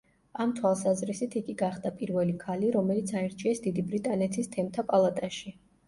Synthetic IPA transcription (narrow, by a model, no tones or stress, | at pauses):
amt̪ʰwalˠsazɾisit̪ʰikʼiɡaχd̪apʼiɾvɛlikʰaliɾɔmɛlit̪sʰaɛɾt͡ʃʰiɛsd̪id̪ibɾit̪ʼanɛt̪ʰist̪ʰɛmt̪ʰapʼalˠat̪ʼaʃi